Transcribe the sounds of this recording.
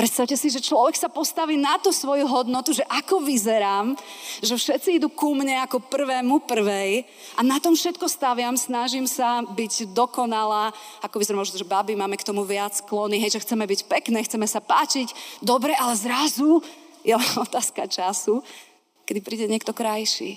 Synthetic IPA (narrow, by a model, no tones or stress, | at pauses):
pɾɛt̪st̪aʊcɛsiʒɛt͡ʃlɔʋɛksapɔst̪aʋiːnat̪ɔsʋɔjuɦɔd̪nɔt̪uʒɛʔakɔʋizɛɾaːmʒɛfʃɛt̪t͡siid̪ukumɲɛakɔpr̩ʋɛːmupr̩ʋɛj | ʔanat̪ɔmfʃɛt̪kɔst̪aʋɪamsnaʒimsabiɟd̪ɔkɔnalaːakɔʋizɛɾamɔʒnɔʒɛbabimaːmɛkt̪ɔmuʋɪat͡sklɔniɦɛjʒɛxt͡sɛmɛbicpɛknɛːxt͡sɛmɛsapaːt͡ʃiɟd̪ɔbɾɛʔalɛzɾazu | jɛlɛnɔt̪aːska̰t͡ʃasu | kɛd̪ipɾiːɟɛɲɪɛk̚t̪ɔkɾajʃḭː